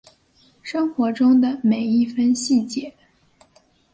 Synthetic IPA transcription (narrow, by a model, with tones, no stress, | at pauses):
ʂɤ˥ŋxwɔ˧˥ʈ͡ʂʊ˥ŋd̪ə˨me˨˩ɪi˥˩fə˥nɕi˥˩t͡ɕjɛ˧˥˦